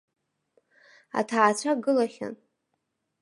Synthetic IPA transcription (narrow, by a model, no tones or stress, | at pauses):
a̰tʰaːt͡ɕʷʰaɡɨlaχʲa̰n